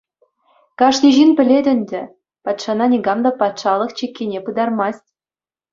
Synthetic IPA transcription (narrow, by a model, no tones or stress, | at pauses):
kɑʂnʲiʑinpʲɘ̆lʲedʲɘ̆nʲd̪ʲɘ̆ | pɑt̪ʂɑnɑnʲiɡɑmd̪ɑpɑt̪ʃɑlˠɤ̆χt͡ɕikʲːenʲepɯd̪ɑrmɑstʲ